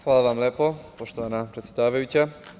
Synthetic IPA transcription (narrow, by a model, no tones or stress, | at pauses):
xʋaːlˠaʋamlʲeːpopo̞ʃt̪oʋanapɾet̪sjed̪aːʋajut͡ɕa